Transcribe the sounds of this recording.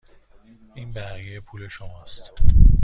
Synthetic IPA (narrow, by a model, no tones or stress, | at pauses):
iːnbæɣijepʰuːle̞ʃomɒst̪